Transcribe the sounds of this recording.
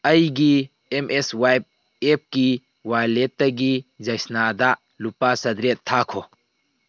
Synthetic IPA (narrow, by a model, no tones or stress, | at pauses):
ɐjɡi | emʔeswajb̚ | ep̚ki | wajletːɐɡid͡ʒɐjsnad̪a | lupasɐd̪ɾet̪ʰːakʰɔ